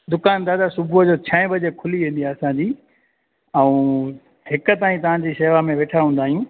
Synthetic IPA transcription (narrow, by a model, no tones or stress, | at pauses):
d̪ʊkaːnd̪aːd̪asʊbʱud͡ʑoːt͡ɕʰɐ̃ɛ̃bɐd͡ʑekʰʊliʋẽːn̆d̪iaːɐsãɲd͡ʑiː | ɛ̃ũ | hɪkə̆t̪aːĩt̪̬ɐʋ̤ãɲd͡ʑiːseːʋamẽʋeːʈʰaɦũnd̪aːɦijũ